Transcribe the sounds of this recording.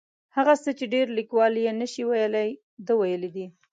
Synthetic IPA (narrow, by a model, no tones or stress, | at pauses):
haɣasət͡ʃeɖeɾlikwɑljenəʃiwajəlaj | d̪əwajəlid̪i